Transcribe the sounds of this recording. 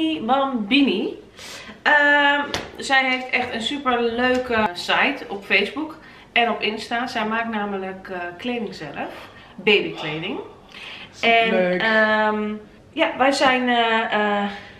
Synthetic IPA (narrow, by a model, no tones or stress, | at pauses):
ʋɔnbini | ə | sɛjɦeftɛxtənsypərløːkəsajtʰɔpfeːzbuk | ɛnɔpɪnstaːsɛjmaːknaːmələkkːleːdɪŋsɛləf | beːbikʰleːdɪŋ | ɛnəm | jaʋɛjzɛjn